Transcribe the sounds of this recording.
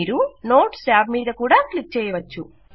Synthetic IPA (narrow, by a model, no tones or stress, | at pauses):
iːɾuno̞ːʈsaːbmiːd̪ɐkuːɽaːklik̚t͡ʃɛːjɐʋɐt͡ʃːṵ